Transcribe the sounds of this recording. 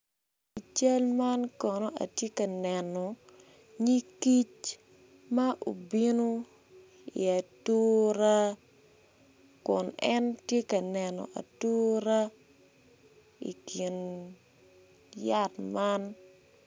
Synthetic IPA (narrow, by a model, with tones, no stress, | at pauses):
i˨t͡ʃa˦lma˦nkɔ˨no˦ʔa̰˨tje˦kɐ˨nɛ˨nɔ˨ | ɲi˦ki˦t͡ʃ | ma˦ʔo˨bi˦no˦ | ḭ˨a˨to˦ɾa˦ | kʊ˨nɛ˦ntje˦kɐ˨nɛ˨nɔ̰˨ʔa̰˨to˦ɾa˦ | ḭ˨ki˨n | ja˦tma˦n